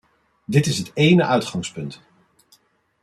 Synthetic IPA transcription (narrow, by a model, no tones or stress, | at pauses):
dɪtɪsɦətejnəʔœɥtχɑŋspɵnt